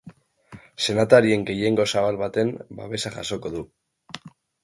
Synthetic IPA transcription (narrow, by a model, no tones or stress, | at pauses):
se̞nat̪aɾie̞ŋɡe̞je̞ŋɡo̞saβalβat̪e̞mba̰βe̞saʝa̰so̞ko̞ðu